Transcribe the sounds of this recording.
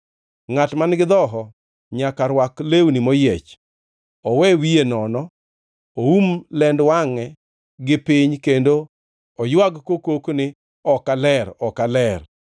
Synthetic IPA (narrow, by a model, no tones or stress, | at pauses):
ŋatmanɡɪd̪ɔɦɔ | ɲakaɾwaklewnimɔjet͡ʃ | ɔwɛwienɔnɔ | oumlɛndwaŋɛ | ɡɪpɪɲkendo | ɔjwaɡkokoknɪ | ɔkalɛɾɔkalɛr